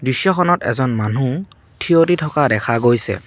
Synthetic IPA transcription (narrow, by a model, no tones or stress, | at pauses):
bɹisːɔxʰɔnɔtɛ̰zɔnmanu | tʰioɹitʰɔkadɛxʰaɡojsɛ̰